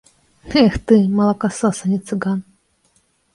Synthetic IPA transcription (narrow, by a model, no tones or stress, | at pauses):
ɛxt̪ɨmɐlˠɐkasɔsɐnʲit̪sɨɡan